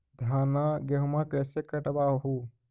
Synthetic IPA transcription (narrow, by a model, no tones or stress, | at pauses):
d̪ʱaːnaɡeɦmãkɛsekəʈbaɦu